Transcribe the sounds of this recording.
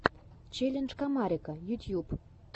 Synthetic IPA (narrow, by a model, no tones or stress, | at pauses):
t͡ɕelʲenʒkɑmɑɾʲikəjut̪ʲjup